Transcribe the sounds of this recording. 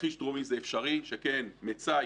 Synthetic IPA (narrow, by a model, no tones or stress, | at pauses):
χiʃdʁumizeːfʃaʁiʃeke̞nmet͡sa